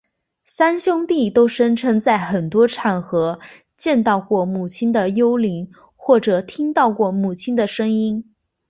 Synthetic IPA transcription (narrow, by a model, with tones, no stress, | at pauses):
sa˥nɕjʊ˥ŋt̪i˥˩t̪o˥ʊʂə˥nʈ͡ʂʰɤ˥ŋt͡sa˥˩ɪxə˨˩nt̪wɔ˥ʈ͡ʂʰa˨˩nxɤ˧˥ | t͡ɕjɛ˥˧nt̪ɑ˥˧ʊkwɔ˥˩mu˨˩t͡ɕʰi˥nd̪ə˨jo˥ʊli˧˥ŋ | xwɔ˥˩ʈ͡ʂɤ˨˩t̪ʰi˥ŋt̪ɑ˥˧ʊkwɔ˥˩mu˨˩t͡ɕʰi˥nd̪ə˨ʂɤ˥ŋi˥n